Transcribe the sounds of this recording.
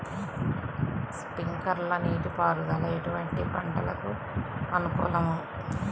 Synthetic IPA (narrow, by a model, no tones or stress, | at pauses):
spiŋkɐɾlɐniːʈipaːluɡɐːlɐjeʈuʋɐɳʈipɐɳɖɐlɐku | ɐnukṵːlɐmu